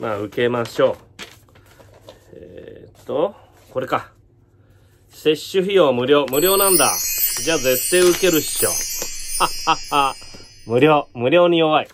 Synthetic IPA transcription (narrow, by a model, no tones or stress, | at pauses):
maːɯ̟ke̞maɕo̞ː | ḛt̪ːo | ko̞ɾe̞ka | se̞ɕːɨçijomɯ̟ɾʲjo̞ːmɯ̟ɾʲjo̞ːnãnd̪a̰d͡ʑaːze̞t̪ːeːɯ̟ke̞ɾɯ̟ɕi̥ɕo̰ːaaa | mɯ̟ɾʲoːmɯ̟ɾʲo̞ːɲ̟ijo̞βai